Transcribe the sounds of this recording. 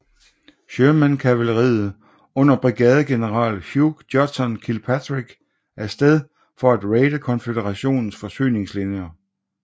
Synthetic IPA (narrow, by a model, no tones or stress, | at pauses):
ɕøːmænkʰæʋæləʁḭːð̩ˠ | ɔ̽n̰ɐb̥ʁiɡ̥ɛːð̞ˠəɡ̥e̝nəʁɑ̰̈ːlhjuɡ̥d̥jɒ̥sɒnkʰilpʰædʁiɡ̥ | æɐsd̥eð̞ˠ | fɒ̽æd̥ʁeɪd̥əkʰɒ̽nfed̥eʁɑ̈ɕo̝̰ːnn̩sfɒ̽sy̰ːne̝ŋslinjɐ